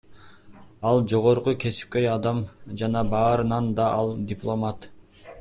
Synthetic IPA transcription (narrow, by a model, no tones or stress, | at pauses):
ɑlˠd͡ʒo̞ʁo̞ɾqukʰe̞si̥p̚kʲe̞jɑd̪ɑmd͡ʒɑnɑbɑːɾɯnɑnd̪ɑʔɑlˠd̪ʲɪplˠo̞mat̪